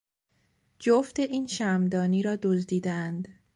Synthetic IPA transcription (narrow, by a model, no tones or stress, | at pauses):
d͡ʒoft̪eʔiːnʃæmd̪ɒːniːɾɒːd̪ozd̪iːd̪eænd̪